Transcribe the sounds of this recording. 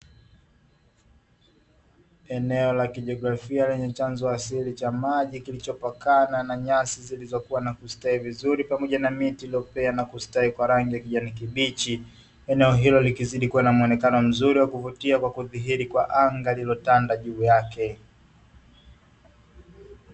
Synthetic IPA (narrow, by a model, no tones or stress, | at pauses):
ɛnɛɔlakiʄɔɡɾafialɛɲɛt͡ʃanzɔasilit͡ʃamaʄikilit͡ʃɔpakananaɲasizilizɔkuwanakustaivizuɾipamɔʄanamitiliɔpɛanakustaikwaɾaŋɡijakiʄanik̬iɓit͡ʃi | ɛnɛɔɦilɔlikiziɗikuwanamuɔnɛkanɔm̩zuɾiwakuvutiakwakuðiɦiɾikwa̰ʔaŋɡalilɔtandaʄuːjakɛ